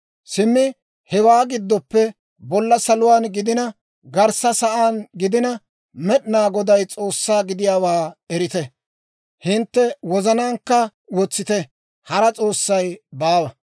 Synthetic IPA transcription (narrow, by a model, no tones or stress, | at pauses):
sɪmːɪ | hɛwaːɡɪd̪ːɔpːɛ | bɔlːɐsɐlʊwaːnɡɪd̪ɪnɐ | ɡɐɾsɐsɐʔaːnɡɪd̪ɪnɐ | mɛɗɪnaːɡɔd̪ɐjt͡sʼo̞ːsːaːɡɪd̪ɪjaːwaːɛɾɪt̪ɛ | hɪnt̪ːɛwɔzɐnaːŋkːɐ | wɔt͡sːɪt̪ɛ | hɐɾɐt͡sʼo̞ːsːɐjbaːwɐ